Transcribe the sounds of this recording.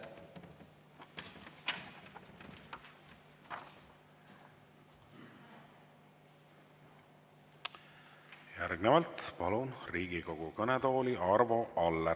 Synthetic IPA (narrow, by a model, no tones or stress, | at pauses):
jæɾɡ̥nevɑlt̪pɑlunriːɡiko̞ɡ̥ukɤnet̪o̞ːliʔɑrvo̞ʔɑlːe